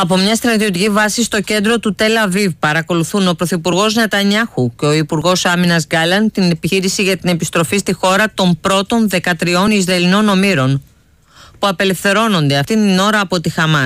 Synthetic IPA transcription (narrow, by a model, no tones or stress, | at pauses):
ɐpo̞mɲɐst̪ɾɐt̪io̞t̪icivɐsist̪o̞ce̞nd̪ɾo̞t̪ut̪e̞lɐvivpɐɾɐko̞luθuno̞pɾo̞θipuɾɣo̞znɐt̪ɐɲɐxuce̞o̞ipuɾɣo̞sɐminɐzɡɐlɐnt̪ine̞piçiɾisiʝɐt̪ine̞pist̪ɾo̞fist̪ixo̞ɾɐt̪o̞mpɾo̞t̪o̞nðe̞kɐt̪ɾio̞nizɾɐlino̞no̞miɾo̞n | puɐpe̞le̞fθe̞ɾo̞no̞nd̪e̞ɐft̪int̪ino̞ɾɐːpo̞t̪ixɐmɐ